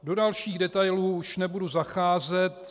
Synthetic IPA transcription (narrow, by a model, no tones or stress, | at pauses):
do̞dalʃiːɣdɛt̪ajluːuʃnɛbuduzaxaːzɛt̪